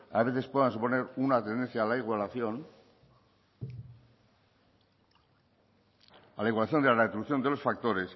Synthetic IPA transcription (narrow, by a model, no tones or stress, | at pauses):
a̰β̞e̞θe̞spwe̞ðansupo̞ne̞ɾunat̪end̪e̞n̟θjalaiɣwalaθjon | alaiɣwalaθjo̞nd̪elareet̪ɾuβuθjo̞nd̪e̞lo̞sfak̚t̪o̞ɾe̞s